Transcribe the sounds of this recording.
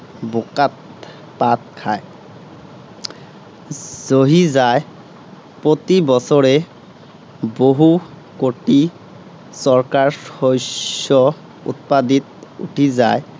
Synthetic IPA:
bokat̪̚ | pat̪̚kʰaj | z̥oɦizae | pɹot̪ibɔsɔɹe | boɦu | koʈi | sɔɹkaɹojɔ | ṵt̪̚pad̪it̪ṵʈʰiza̰e

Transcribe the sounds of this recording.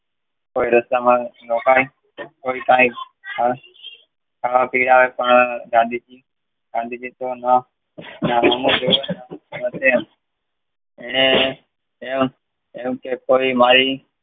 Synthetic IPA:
koːiːɾəst̪aːmãnoːkaːiː | koːiːt̪ãːĩː | əɾ | kʰaːʋaːpiːɽaːʋeːpəɳd͡ʒaːd̪iːt͡ʃiː | d͡ʒaːd̪iːd͡ʒiːt̪oːna | naːɦəmõːd͡ʒoːɡənnanət̪ʰe | eːnẽː | eːʋ | eːmkeːkoːiːmaːɾiː

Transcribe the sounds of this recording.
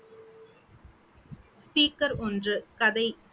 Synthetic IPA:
spiːkɐɾɔndrɯkɐðɐɪ

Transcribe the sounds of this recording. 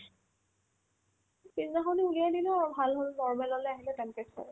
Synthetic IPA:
piznaɦoniulijadilʊaɹubʱalɦolnɔɹmɛlɔlɔjaɦilɛtɛnkɛka̰ɹ

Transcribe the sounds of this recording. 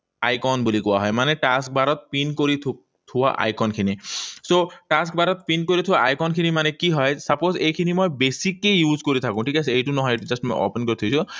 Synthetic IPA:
ajkɔnbulikɔwaɦɔjmaneʈask̚baɾɔt̪̚pinkoɾi | t̪ʰʊwa̰ʔa̰jkɔnkʰinisoʈask̚baɾɔt̪̚pinkoɾit̪ʰuwaʔajkɔnkʰinimanekiɦɔjsapozejkʰinimojbesikejjuzkoɾit̪ʰakũʈʰikaseejʈunɔɦɔjʈud͡ʒasʈmɔ̰jo̰penkoɾit̪ʰukisũ

